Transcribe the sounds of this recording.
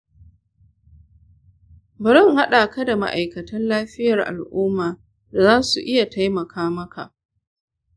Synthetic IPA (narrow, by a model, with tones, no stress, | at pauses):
bɐ˨ɾɔ˦˨ŋha˦ɗa˨kɐ˦da˨ma̰˦ʔa˨jkɐ˨tɐ˦nlaː˦ɸɪ˦jɐ˨rʔa̰˨lʔʊː˦mːaː˨ | da˨zaː˦su˨ʔɪ˦ja˨ta˦jmɐ˨kʰaː˦mɐ˦ka˨ʔ